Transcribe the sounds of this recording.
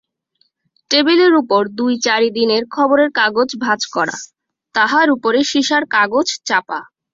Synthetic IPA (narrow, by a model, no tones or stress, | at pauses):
ʈebileɾupoɾd̪ujt͡ɕaɾid̪ineɾkʰɔboɾeɾkaɡod͡ʑbʱad͡ʑkɔɽa̰ | t̪aɦaɾupoɾeʃiʃaɾkaɡod͡ʑt͡ɕapa